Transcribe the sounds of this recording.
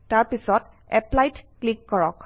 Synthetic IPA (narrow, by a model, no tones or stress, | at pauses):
taɹpisɔt | ɛplajtklikːɔɹɔk